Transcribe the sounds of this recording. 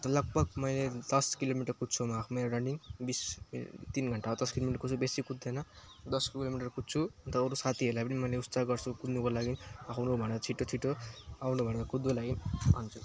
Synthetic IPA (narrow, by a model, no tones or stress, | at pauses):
nt̪ʌlʌɡ̚bʌɡ̚mʌjled̪ʌskilomiʈʌrkutːt͡sʰomakʰumeɾɾʌɳɖiŋbist̪inɡʱʌɳʈaod̪ʌskilomiʈʌrkut͡sʰubesikud̪ʌnʌ | d̪ʌskilomiʈʌrkutt͡sʰuʌnt̪ʌːɾusat̪ʰiɦelajpʌnimʌjleust͡saɡʌrt͡sʰukud̪nukolaɡinakʰawnubʱʌneɾʌt͡sʰiʈːot͡sʰiʈːoawnubʱʌneɾʌkud̪ːolaɡinant͡sʰu